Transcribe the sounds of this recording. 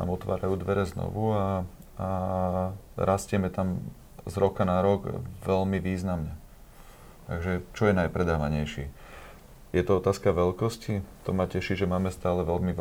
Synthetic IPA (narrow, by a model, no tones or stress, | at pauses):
a̰ːmɔt̪ʋa̰ːɾajuːd̪ʋɛɾɛznɔ̰ʋua | a | ɾʔascɛmɛt̪am | zɾɔkanaɾɔɡʋɛʎmiʋiːznamɲɛ | t̪a̰ɡʒɛt͡ʃɔjɛnajpɾɛd̪aːʋaɲɛjʃi | jɛt̪ɔɔt̪aːskaʋɛlkɔscit̪ɔmacɛʃiʒɛmaːmɛst̪aːlɛʋɛlmiʋ